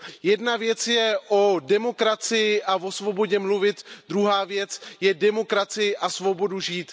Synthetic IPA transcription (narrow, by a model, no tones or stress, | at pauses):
jɛdnavjɛt͡sjɛʔo̞dɛmo̞kɾat͡sɪjɪʔavo̞svo̞bo̞ɟɛmluvɪt̪d̪ɾuɦaːvjɛt͡sjɛdɛmo̞kɾat͡sɪɪʔasvo̞bo̞duʒiːt̪